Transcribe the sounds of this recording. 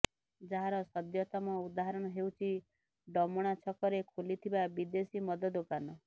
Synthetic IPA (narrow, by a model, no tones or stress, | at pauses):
d͡ʒaɦãɾɔsɔd̪jɔt̪ɔmɔud̪aɦɔɾɔɽ̃ɔɦewt͡ʃʰi | ɖɔmɔɽ̃at͡ʃʰɔkɔɾekʰulit̪ʰibabid̪esimɔd̪ɔd̪okanɔ